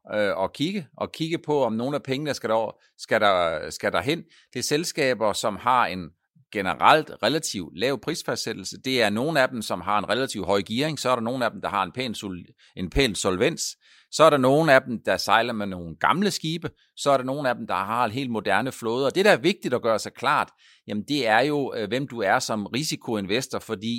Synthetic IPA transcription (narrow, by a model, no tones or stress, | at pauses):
øɒ̽kʰiɡ̥əʔɒ̽kʰiɡ̥əpʰɒ̽ɒ̽mno̝ːn̩æpʰeŋənəsɡ̥æɾ̥ɒ | sɡ̥æɾɑsɡ̥æd̥ɑ̈ɦen̰ | d̥e̝selsɡ̥ɛ̰ːb̥ɐsɒ̽mhɑ̈e̝n | ɡ̥enəʁal̰d̥ʁelæt͡sʰiʊ̰̥lɛːʊ̰pʰʁḭːsfæssed̥l̩səd̥e̝æɐno̝ːn̩æd̥em̩sɒ̽mɦɑ̈e̝nʁelæt͡sʰiʊ̰ɦɒ̽ɪɡ̥iɐeŋsɒ̽æɐɾɑ̈no̝ːn̩æd̥em̩d̥ɑ̈hɑ̈e̝npʰḛːns | e̝npʰḛːnd̥solʋen̰s | sɒ̽æɐɾ̥ɑ̈no̝ːn̩æd̥em̩d̥ɑ̈sɑ̈ɪlɐmeno̝ːn̩ɡ̥ɑ̈mləsɡ̥iːb̥ə | sɒ̽æɐɾ̥ɑ̈no̝ːn̩æd̥em̩d̥ɑ̈ɦɑ̈e̝nɦḛːld̥̚mo̝d̥æɐnəflɔːð̞̩ˠɒ̽d̥e̝ɾ̥æːɐʋe̝ɡ̥̚d̥id̥ɒ̽ɡ̥ɶːɐsɑ̈ɪkʰlɑ̰̈ːd̥ | jæmn̩d̥e̝æɐjo̝ʋem̰d̥uæɐsɒ̽mʁisikʰo̝e̝nʋesd̥ɐfɒ̽d̥ḭː